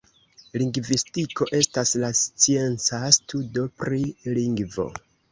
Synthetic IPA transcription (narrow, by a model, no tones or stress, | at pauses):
liŋɡvistiko̞ʔe̞staslast͡sie̞nt͡sastʰudo̞pɾiliŋɡvo̞̰